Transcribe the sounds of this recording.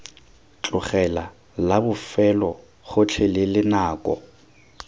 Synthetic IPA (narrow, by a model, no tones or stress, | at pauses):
t͡ɬʼʊχɛla | labʊfɛlɔ | ɣʊt͡ɬʰelɪlɪnaːkʼɔ̰